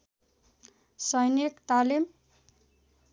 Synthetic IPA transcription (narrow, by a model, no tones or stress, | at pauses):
sʌjnikʈ̪alim